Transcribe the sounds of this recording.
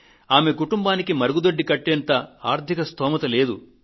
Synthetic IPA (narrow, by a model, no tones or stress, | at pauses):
aːmekuʈumbaːnikimɐɾuɡud̪oɖːikɐʈːeːnt̪ɐaːɾt̪ʰikɐst̪ɔːmɐt̪ɐle̞ːd̪ṵ